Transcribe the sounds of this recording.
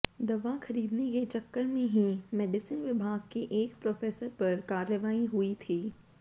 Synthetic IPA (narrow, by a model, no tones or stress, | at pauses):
d̪ɐʋaxɐɾiːd̪neket͡ʃɐkːəɾmẽɦimɛːɖɪsənʋɪbʱaːɡ̚keʔeːkpɾoːfeːsəɾpɐɾkaːɾəʋaːiɦuit̪ʰiː